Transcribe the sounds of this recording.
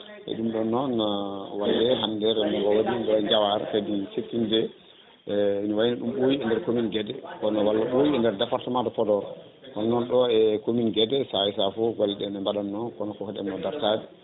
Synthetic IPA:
ʔɛ̰ɗumɗɔnɔnawalːɛɦandɛɾɛmɔɡɔwaɗiɗɔɛɲd͡ʒawaɾakadisetːindɛ | inɔwajinaɗumɓowiɛndɛɾkominɡɛdɛkɔnɔwalːaɓojiɛndɛɾdapaɾtɔmadɔpɔdɔɾɔ | kɔnɔnɔnɗɔɛkominɡɛdɛsaisafɔɡɔlːɗɛnɛmbaɗanːɔkɔnɔkɔkɔɗɛ̰mnɔdaɾtadi

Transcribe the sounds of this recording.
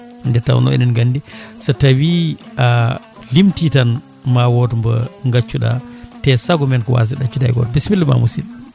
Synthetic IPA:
ndɛɾta̰wɔ̰nɔ̰ɛ̰nɛnɡandisatawiʔa | limtitan | mawɔtmbɔŋɡat͡ʃːuɗa̰tɛsaɡɔmɛnkɔwa̰z̬iɗat͡ʃːudajɡɔ̰tbisbilːma̰musḭl

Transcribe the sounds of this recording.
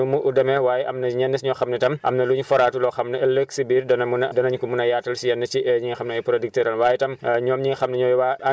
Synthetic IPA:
umuʔudɐmɛwaːjɛʔɐmnɐɲɛnːɐsɲɔːxɐmnɛtɐmʔɐ̰mnɐluːɲfɔɾaːtulɔxɐmnɐɛlːəksibiːrdɐnɐmunɐdɐnɐɲkumunɐjaːtːɐlsijɛnːɐt͡ʃiɛɲiːŋxɐmnɛɐjpuɾodik̚tɛɾɐnwaːjɛtɐmɲɔːmɲiːŋxɐmnɛɲɔːjwaːɐ

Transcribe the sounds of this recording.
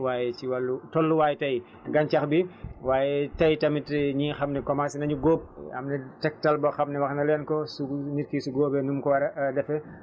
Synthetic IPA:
waːjɛciwɐlːutɔlːuwaːjɛtɐj | ɡɐɲcɐxbiwaːjɛtɐjtɐmitɲiːxɐmnɛkɔmasinɐɲuɡoːp̚ɐ̰mnɛtɛk̚tɐlbɐxɐmnɛwɐxnɐlɛnkɔsuniɾkisuɡoːbɛnumkɔwɐɾɐdɛfɛ

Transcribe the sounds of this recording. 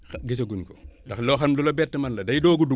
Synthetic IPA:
xɡis̬ɐɡunkɔ̰dɐxlɔxɐmlulɐbɛtːɐmɐnlɐdɐjdɔːɡudu

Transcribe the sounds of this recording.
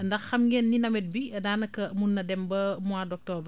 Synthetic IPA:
ndɐxːɐmjɛnːinɐmɛt̚bidaːnɐkɐmunːɐdɛmbɐmuaːdɔk̚tɔːb

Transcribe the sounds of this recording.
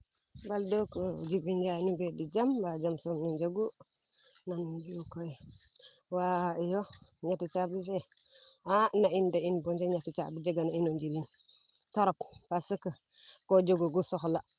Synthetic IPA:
baldokod͡ʒibind͡ʒanibedid͡ʒambad͡ʒamsumnid͡ʒaɡu | nand͡ʒukoj | waijoɲatit͡ʃabifeanaindainbond͡ʒeɲatit͡ʃa̰bid͡ʒeɡanainod͡ʒilin | taɾoppasəkə | kod͡ʒoɡoɡusoxla

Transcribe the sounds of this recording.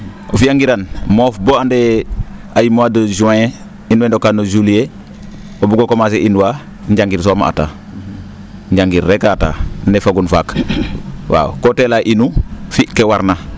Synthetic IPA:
ofijaŋɡiɾanmoːfboande | ajimuadod͡ʒuãje | inwendokanod͡ʒulije | obuɡokomas̬eʔinuwa | ɲɟaŋɡiɾs̬omaʔa̰ta̰ | ɲɟaŋɡiɾːekata̰ːndefaɡunfaːk | wa̰kotelaʔinufikewaɾna

